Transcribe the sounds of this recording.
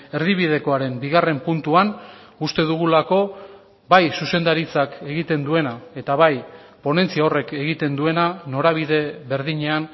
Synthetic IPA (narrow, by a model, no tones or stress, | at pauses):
e̞ɾðiβiðe̞ko̞aɾe̞mbiɣ̞are̞mpunt̪uanust̪e̞ðuɣ̞ulako̞ | bajsuse̞nd̪aɾit͡sake̞ɣit̪e̞nd̪ue̞nae̞t̪aβaj | po̞ne̞nt͡siao̞re̞ke̞ɣit̪e̞nd̪ue̞nano̞ɾaβ̞iðe̞βe̞ɾðiɲe̞an